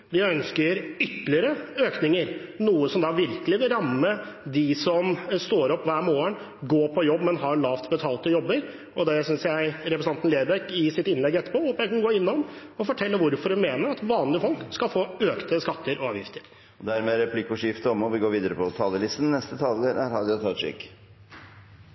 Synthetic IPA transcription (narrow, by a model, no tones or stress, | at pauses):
d̪ɪœnskəɾʏt̪ːlɪəɾəøːknɪŋəɾnuːəsɔmd̪ɑʋɪɾkəlɪʋɪlɾɑmːə | d̪ɪsɔmst̪oːɾɔpːʋæːɾmoːəɳ | ɡoːpʰɔjɔbːmɛnɦɑɭɑːʋt̪bət̪ʰɑːlt̪əjɔbːəɾ | ɔd̪ɛsʏnsjæɪɾɛpɾəsɑnnleːɾbɛkɪsɪt̪ɪnlɛɡːɛt̪ːə̥pɔːhoːpəjæɪknɡoːɪnːɔmɔfɔʈʰɛlːəʋʊɾfɔɾɛnmeːnəɾɑt̪ʋɑːnlɪəfɔlkskɑfoːøːkt̪əskɑt̪ʰːəɾʔɔɑːʋjɪft̪əɾ | ɔd̪æɾmɛɾɛpʰlɪkːʊʂɪft̪əɔmɔʋɪɡoːɾʋiːd̪əɾəpʰɔt̪ʰɑːləlɪst̪nnɛst̪ət̪ʰɑːləɾæɾhɑːd̪ɪʊt̪ʰɑt̪ʂɪ̰k